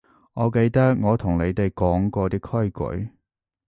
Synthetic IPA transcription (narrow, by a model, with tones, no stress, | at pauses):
ŋɔː˨˧ke˧jt̪ɐ˥k̚ŋɔː˨˧t̪ʰʊ˨˩ŋle˨˧jt̪e˨jkɔː˨˥ŋkɔː˧t̪iː˥kʰɵ˥jkɵ̰˨˧˥